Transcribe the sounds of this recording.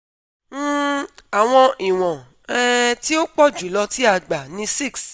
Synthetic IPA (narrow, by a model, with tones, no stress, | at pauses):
m̩˦˨a˨w̃ɔ̃˧ʔi˨w̃ɔ̃˨ | ɛ˦ti˦o˦k͡pɔ˦˨d͡ʒu˨˦lɔ˧ti˦a˦˧ɡ͡ba˨nĩ˧˦si˦˨ks